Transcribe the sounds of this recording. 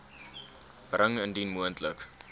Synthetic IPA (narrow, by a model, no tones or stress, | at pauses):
b̥rəŋəndinmuəntlək